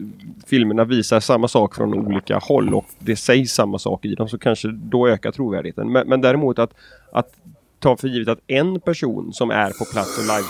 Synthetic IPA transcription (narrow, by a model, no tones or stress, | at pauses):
fɪlməɳaviːsaʂamːasɑːkfɾɔ̰nṵːliːka̰hɔlːɔ̰kd̪ɛsɛjsːamːasɑ̰ːkɪd̪ɔmsɔkʰanʂəd̪ɔøːkatʰɾuːvæ̰ːɖɪhḛːt̪ə̰nmɛmɛnd̪æːɾɪmuːt̪at̪ | ʔa̰t̪ʰː | ɑːfœɾjiːvət̪at̪ɛnpæʂṵːnsɔmʔæ̰ɾpʰɔpʰlat̪sɔlajv